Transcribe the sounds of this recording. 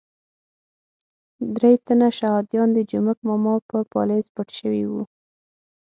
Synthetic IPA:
d̪ɾejt̪anaʃahɑd̪jɑnd̪əd͡ʒumak̚mɑmɑpəpɑ̰lezpəʈʃəwḭwṵ

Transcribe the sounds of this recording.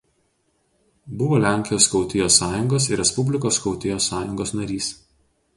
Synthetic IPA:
bʊʋoːlʲæˑŋʲkʲɪjoːskɒʊt̪ʲɪjoːsɑːjʊŋɡoːsɪɾʲɛspʊbʲlʲɪkoːskɒʊt̪ʲɪjoːsːɑːjʊŋɡoːsnɐɾʲiːs

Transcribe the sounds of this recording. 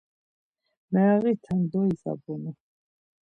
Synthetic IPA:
mɛaɣit̪ʰɛnd̪ɔiza̰bɔni

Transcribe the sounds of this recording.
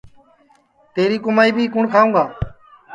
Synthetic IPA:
t̪eːɾiːkʊmaːiːbʱiːkʊɳkʰaːʋũːɡaː

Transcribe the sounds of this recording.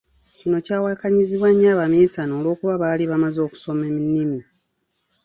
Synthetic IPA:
cino̞caːwakaɲiziβwaɲːaːβamiːsanoːlwo̞ːkuβaβaːliβamazo̞ːku̥so̞meminːimi

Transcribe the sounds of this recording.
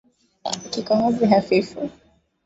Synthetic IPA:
a̰kikɔŋɔziɦafifu

